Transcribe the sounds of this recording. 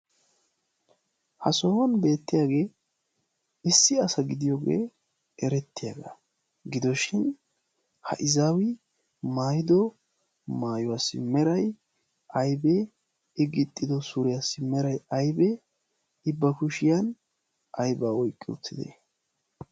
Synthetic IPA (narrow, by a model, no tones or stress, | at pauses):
hɐsɔwɐnbe̞ːt̪ːɪjaːɡe̞ː | ɪsːɪɐsɐɡɪd̪ɪjoɡḛː | ɛɾɛt̪ːɪjaɡɐ | ɡɪd̪ɔʃɪn | hɐ̰ʔɪzaːwɪ | maːjɪd̪ɔ | maːjɔwasːɪmɛɾɐj | ɐjbe | ɪɡɪt̪ʼːɪd̪ɔsʊɾɪjasːɪmɛɾɐjɐjbɛ | ɪbːɐkʊʃɪjɐn | ʔɐjbaːwɔjkʼːɪʊ̰t̪ːɪd̪ḛ